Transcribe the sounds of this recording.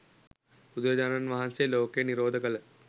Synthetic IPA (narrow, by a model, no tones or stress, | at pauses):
ud̪ɾɐd͡ʑaːnanʋɐɦanseloːkejniɾoːd̪ʱəkələ